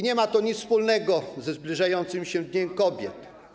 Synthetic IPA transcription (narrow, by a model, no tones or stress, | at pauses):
ɲɛmat̪ɔɲispulnɛɡɔzɛzblʲiʐajɔnt̪sɘmɕɛd̪ɲɛmkɔbʲjɛ̰t̪